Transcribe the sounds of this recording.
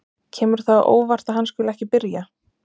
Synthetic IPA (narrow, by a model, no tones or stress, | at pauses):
cʰɛːmʏɾ̥θaʔo̰ːwvar̥t̪aðhanskʏːlɛhcɪpɪɾja